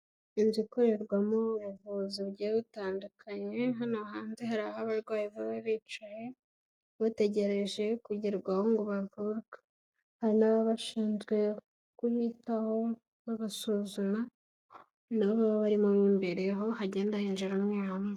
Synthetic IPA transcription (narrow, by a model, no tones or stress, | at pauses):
inzikoɾe̞ɾɡwamuβujavuziβɟiβutaːndukʰaɲe̞ɦanoɦaːnzeɦaɾahaβaɾɡwaːjiβaβaβiːt͡ʃaje | βate̞ɟe̞ɾe̞ʒe̞kuɟiɾɡwahoŋɡuβavuɾɡa | haɾinaβaβaʃiːnzɡwe̞ | kuhitaho̞ | βaβasuzuma | naββaβaβaɾimomiːmbeɾeɦo̞haɟe̞ːndahind͡ʒiɾamɲaame